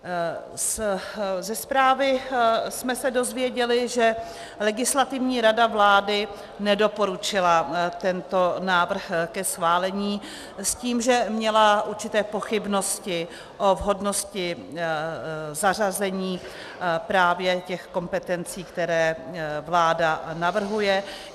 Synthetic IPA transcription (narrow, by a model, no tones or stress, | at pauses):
s | zɛspɾaːvɪsmɛsɛdo̞zvjɛɟɛlɪʒɛ | lɛɡɪslat̪ɪvɲiːɾadavlaːdɪ | nɛdo̞po̞ɾut͡ʃɪlat̪ɛnt̪o̞naːvr̩xkɛsxvaːlɛɲiː | sciːmʒɛmɲɛlaʔuɾt͡ʃɪt̪ɛːpo̞xɪbno̞scɪ | ʔo̞vɦo̞dno̞scɪ | zar̝azɛɲiː | pɾaːvjɛcɛxko̞mpɛt̪ɛnt͡siːkt̪ɛɾɛːvlaːdanavr̩ɦujɛ